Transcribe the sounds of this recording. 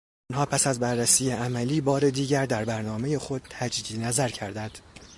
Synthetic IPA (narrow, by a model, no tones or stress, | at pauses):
nɦɒːpʰæsæzbærːæsiːjeæmæliːbɒːɾe̞d̪iːɟæɾd̪æɾbæɾnɒːme̞je̞xo̞d̪̥̚t̪ʰæd͡ʒid̪iːnæzæɾcʰæɾd̪ænd̪̥